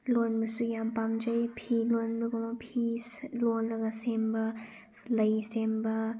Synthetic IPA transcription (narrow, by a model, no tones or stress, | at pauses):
lonbɐsujampamd͡ʒɐjpʰilonbɐɡompʰislonlɐɡɐsembɐ | lɐjsembɐ